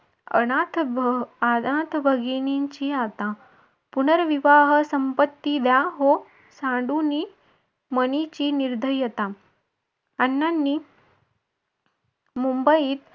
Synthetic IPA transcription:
ə̰ɽat̪ʰ | ad̪ãt̪ʰbʱəɡiniɲt͡ɕiat̪ã | punəɾʋiʋaɦəsəmpət̪ːid̪jaɦo | sãɳɖuniː | mənit͡ɕiːniɾd̪ʱəjːət̪a | nːanːiː | mumbəjiːt̪

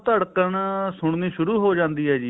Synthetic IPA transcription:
t̪əɽkəɳsʊɳniːʃʊɾuːɦoːd͡ʒãːnd̪iːɦɛːd͡ʒiː

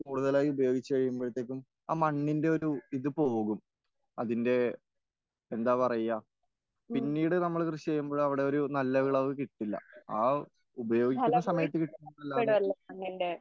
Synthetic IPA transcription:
kuːɽuðɐlaːjiubɐjo̞ːɡit͡ɕːukɐɻijumboɭit̪ːeːk̬ʲːum | aːmɐɳːinde̞o̞ɾuiðɨpo̞ːɣum | ɐðinde̞ | end̪aːpɐrɐjaː | pinːiːɽɨnɐmːɐɭkrɨɕit͡ɕejːumbo̞ːɭɐʋiɽe̞o̞ɾunɐlːɐʋiɭɐɨkiʈːilːɐ̰aː | ubɐjo̞ːɡikkːunːɐsɐmɐjɐt̪ːɨkiʈːunːuɐlːaɐlːɐɐɳːinɖe

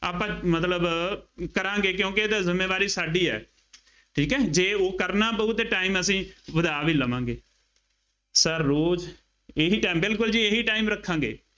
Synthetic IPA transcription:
aːpãːmət̪ləbkəɾãːŋɡeːkjõːkɪeːd̪aːzɪmːeːʋaːɾiːsaːɖiːɛ̰ː | ʈʰiːkɛːd͡ʒeːoːkəɾnaːbəʊt̪ːʈaːiːməsĩːʋəd̪aːʋiːləʋãːŋɡeː | səɾːoːd͡ʒ | eɦiːʈaːmbɪlkʊld͡ʒiːeɦiːʈaːimɾəkʰːãːŋɡḛː

